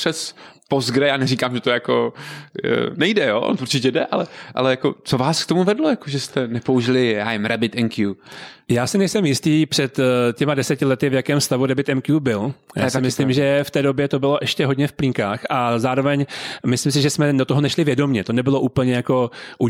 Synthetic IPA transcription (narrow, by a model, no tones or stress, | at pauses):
pr̥ɛspozɡɾɛjaːnɛriːkaːmʒɛt̪ojako̰ | nɛjdɛjoʔntuɾt͡ʃɪcɛdɛʔalɛʔa̰lɛjakot͡sovaːskt̪omuvɛdlojakoʒɛst̪ɛnɛpouʒɪlɪja̰ːvɪmɾabɪt̪ɛŋkjujaːsɪnɛjsɛmjɪst̪iːpr̥ɛt̪cɛmadɛsɛcɪlɛt̪ɪvjakɛːmfst̪avuɾdɛbɪt̪ɛmkjubɪljasɪmɪslɪmʒɛft̪ɛːdo̞bjɛt̪o̞bɪlo̞ʔɛʃcɛɦo̞dɲɛfpliŋkaːxʔazaːɾo̞vɛɲmɪslims̬ɪʒɛsmɛdot̪oɦonɛʃlɪvjɛdo̞mɲɛt̪o̞nɛbɪlo̞ʔuːpl̩ɲɛjako̞ʔu